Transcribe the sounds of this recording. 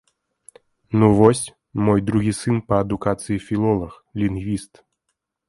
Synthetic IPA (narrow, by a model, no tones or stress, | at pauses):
nuvɔsʲ | mɔjd̪ɾuɣʲisɨnpɐːd̪ukat̪sɨjifʲilˠɔlˠɐx | lʲinɣvʲist̪